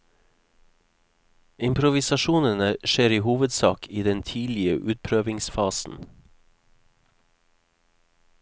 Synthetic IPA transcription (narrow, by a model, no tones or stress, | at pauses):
ɪmpʰɾʊʋɪsɑʃuːnənəʃeːɾiːhuːʋəd̪sɑːkʰiːd̪ɛnt̪ʰiːlɪəʔʉːt̪̚pʰɾøːʋɪŋsfɑːsn̩